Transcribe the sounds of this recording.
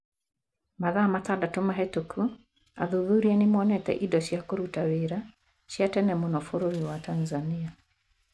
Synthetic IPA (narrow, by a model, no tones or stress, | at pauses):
maðamatadatomaɦɛtokʰu | a̰ðuðuɾianemɔnɛtɛ̰ʔidɔʃjakoɾutaweɾa | ʃjatɛnɛmonɔfoɾoɾiwatanzania